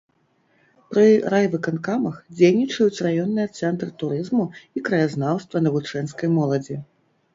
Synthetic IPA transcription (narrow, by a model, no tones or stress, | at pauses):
pɾɨrajvɨkankamɐxd͡zʲejnʲit͡ʂɐjut͡sʲrajɔnːɨjɐt̪sɛnt̪ɾɨt̪uɾɨzmuikɾɐjaznawst̪vɐnɐvut͡ʂɛnskɐjmɔlˠɐd͡zʲi